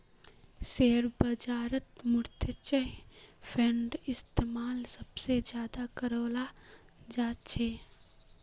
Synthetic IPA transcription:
seːɾbəd͡ʒaːɾət̪mʊɾt̪ʰət͡ʃəpʰeɳɖɪst̪eːmaːlsəbsed͡ʒjaːd̪akəɾəːla | d͡ʒaːt͡ʃʰeː

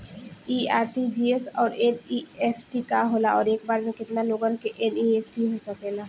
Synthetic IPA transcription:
iaɾʈid͡ʒiesɔːɾeniepʰʈikaɦolaʔɔɾekbaɾneket̪naloɡankeʔeniepʰʈiɦoesɔkela

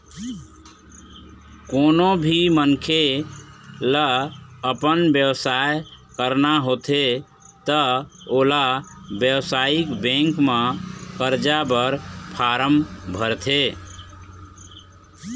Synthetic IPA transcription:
konobʱimənkʰe | ləəpənbjəwsaj | kəɾnaɦot̪ʰe | t̪əolabjəwsaikbẽŋkmẽkəɾd͡ʒabəɾpʰaɾəmbʱəɾt̪ʰe

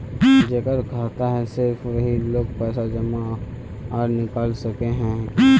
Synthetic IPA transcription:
d͡ʒekəɾkaːt̪aɦɛsɪɾfʋɐɦiloːɡ̚pɛːsad͡ʒɐma | aːɾnɪkaːlsɐkeɦɛ̃

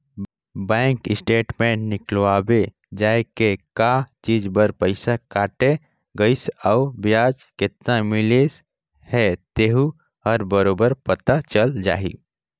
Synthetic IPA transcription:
bɛ̃ːŋkɪsʈeːʈmẽʈnɪklʋaːbe | d͡ʒaːekekat͡ʃiːd͡ʒbəɾpəɪsakaːʈe | ɡəɪsaʊbjaːd͡ʒkɪt̪namɪles | hɛt̪eɦu | ɦəɾbəɾoːbəɾpət̪at͡ʃəld͡ʒa̰ːɦḭ

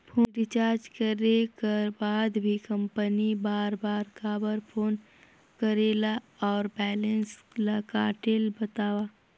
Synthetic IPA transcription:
pʰoːɾɪt͡ʃaːɾd͡ʒkəɾekabaːd̪bʱikə̃mpənibaːɾbaːɾkaːbəɾpʰoːn | kəɾela | ɔːɾbɛːlə̃nslakaːʈelbɐt̪aːwaː

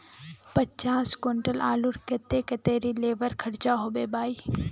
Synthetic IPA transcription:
pɐt͡ʃaːskʊɳʈəlʔaːlʊɾket̪eket̪eːɾileːʋəɾkʰɐɽt͡ʃaɦoːbeːbaːi

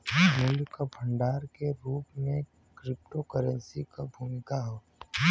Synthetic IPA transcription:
mʊlkabʰʱə̃ɳɖaːɾkeɾuːpmẽ | kɾɪp̚ʈokəɾə̃nsikabʱuːmɪkaɦoː

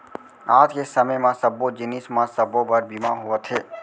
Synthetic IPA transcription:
aːd͡ʒ̪kesəməjmãsəbod͡ʒɪnɪsmãsəbobəɾbimãɦʊʋət̪ɦeː

